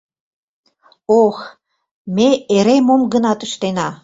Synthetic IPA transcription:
ox | meeɾemomɡənɑt̪ə̆ʃt̪enɑ

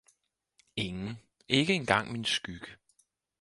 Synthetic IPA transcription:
e̝ŋn̩ | ʔe̝ɡ̥əe̝nɡ̥ɑ̈ŋ̰minsɡ̥yɡ̥ə

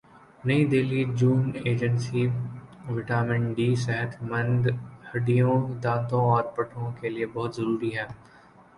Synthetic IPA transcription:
nɐid̪eːlid͡ʒuːneːd͡ʒənsiʋɪʈaːmɪ̃ɳʈɖiːsɛɦɛt̪ʰmɐ̃nd̪hɐɖijõd̪ãːt̪õɔːɾpɐʈʰõkeliebɐɦʊt̪zɐɾuːɾiɦɛ̃ː

